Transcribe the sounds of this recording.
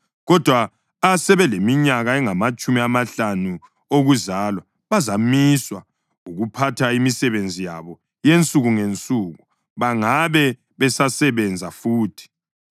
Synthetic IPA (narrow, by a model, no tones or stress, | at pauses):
ɣɔd̥ʱwa | asɛβɛlemiɲaɣaɛŋamat͡ʃʼumiamaɬanu | oɣuzaːlwa | βazamiswa | uɣupʰatʰaimisɛβend͡zʱija̰βɔ | jent͡sʼuɣuŋent͡sʼuɣu | βaŋaβɛ | βɛsasɛβɛnd͡zʱafuːtʰi̥